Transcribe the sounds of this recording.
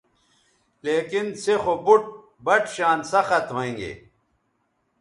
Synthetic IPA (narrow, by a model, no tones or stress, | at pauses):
leːkinsexobuʈ̚ | bɐʈɕaːnsɐxɐt̪ɦoẽːŋɡḛː